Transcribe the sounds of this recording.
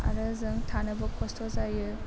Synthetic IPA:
a̰ɾɯzɯŋtʰanɯbɐkʰɔstʰɔzajɯ

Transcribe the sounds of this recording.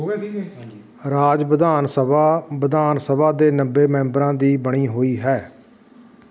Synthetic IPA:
ɾaːd͡ʒpəd̪aːnsəbaːbəd̪aːnsəbaːd̪eːnəbeːmɛ̃ːmbɾãːd̪iːbəɽ̃iːɦoːiːɦɛː

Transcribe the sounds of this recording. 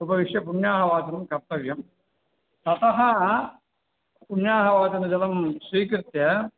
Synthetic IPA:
ubɐʋiʂjɐpuɳːaːɦɐʋaːt͡ɕɐnɐmkɐrt̪ɐʋjɐm | t̪ɐt̪ɐɦɐ | puɳjaːɦɐʋaːt͡ɕɐnɐd͡ʑɐlɐmsʋiːkɾɨt̪jɐ

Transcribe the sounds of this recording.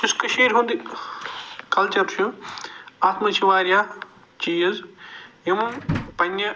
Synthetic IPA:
ɪskɐʃeːɾɦũːnd̪i | kɐlt͡ʃɐɾt͡ʃʰũ | aːt̪mɐt͡ʃʰiʋaːɾjaː | t͡ʃiːjɐzjimpɐnʲːɐ

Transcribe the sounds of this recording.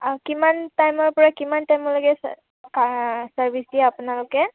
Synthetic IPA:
kimantajmɔɹpɔɹakimantajmɔlokɛ̰ | kasaɹbʱisdiɛapʊnalʊkɛ

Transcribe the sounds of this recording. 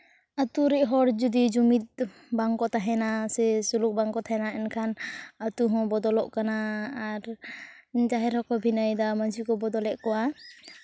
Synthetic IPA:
at̪uɾɛʔɦɔɽd͡ʒud̪id͡ʒumit̪̚ | baŋkɔt̪aɦɛnasɛsuluk̚baŋkɔt̪ʰaɛnaɛnkʰanat̪uɦɔ̃bɔd̪ɔlɔʔkanaːɾ | d͡ʒaɦɛɾɔkɔbʱinajd̪amansikɔbɔd̪ɔlɛʔkɔwa

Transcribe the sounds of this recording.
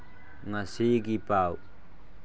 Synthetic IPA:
ŋasiɡipaw

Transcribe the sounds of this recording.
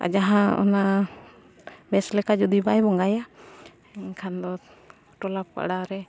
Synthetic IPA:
a̰d͡ʒaɦãɔ̰na | bɛslɛkad͡ʒud̪ibajbɔŋɡaja | kʰand̪ɔ | ʈɔlap̚ka̰ʔɽaɾɛ

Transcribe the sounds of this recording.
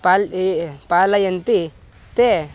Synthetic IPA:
papalajɐnt̪i | t̪e

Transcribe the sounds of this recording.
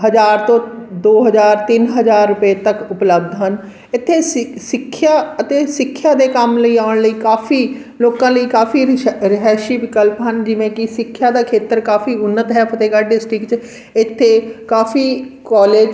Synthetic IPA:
ɦəzaːɾt̪õːd̪oːɦəzaːɾt̪ɪnɦəzaːɾːʊpeːt̪əkʊpləb̚d̪ʱɦən | ɪt̪ʰːeːssɪkʰːjaːət̪eːsɪkʰːjaːd̪eːkəmləiːaːɳləiːkaːfʰiː | loːkãːləiːkaːfiːɾɪɦaːʃiːʋɪkəlpɦənd͡ʒɪʋẽːkɪsɪkʰːjaːd̪aːkʰeːt̪əɾkaːfʰiːʊnːət̪ɦɛːpʰət̪eːɡaːɖɪsʈɾɪkt͡ʃ | ɪt̪ʰːeːkaːfiːkɔːleːd͡ʒ

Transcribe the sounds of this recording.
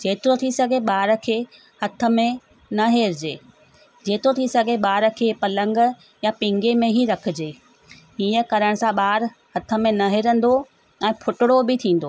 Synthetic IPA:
d͡ʑeːt̪ɪɾot̪ʰisɐɡʱeɓaːɾə̆kʰeː | hɐt̪ʰə̆mẽ | nɐɦeːɾɪd͡ʑeː | d͡ʑeːt̪ot̪ʰisɐɡʱeɓaːɾə̆kʰeːpɐlə̃ŋɡ̆ | japɪ̃ŋɡemẽɦiɾɐkʰɪ̆d͡ʑeː | iːəkɐɾəɽ̃̆sãɓaːɾ | hɐt̪ʰə̆mẽnɐɦeɾə̃nd̪o | ɛ̃ːpʰʊʈɪɽobɪt̪ʰĩːn̆d̪oː

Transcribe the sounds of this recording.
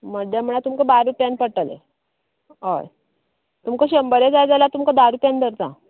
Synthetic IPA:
məɖjam̤əɽ̃at̪umkəbaɾupjanpəʈəlḛ | o̰j | t̪umkəɕəmbəɾed͡zajd͡zalat̪umkəd̪aɾupjãnd̪əɾt̪ã̰

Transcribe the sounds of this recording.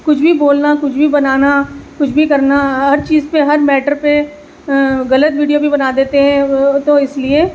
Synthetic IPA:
kʊt͡ʃʰbʱiboːlnakʊt͡ʃʰbʱibɐnaːnakʊt͡ʃʰbʱikɐɾnaɦɐɾt͡ʃiːzpeɦɐɾmɛːʈəɾpe | ɣɐlət̪ʋiːɖijobʱibɐnaːd̪eːt̪eɦɛ̃t̪oɪslie

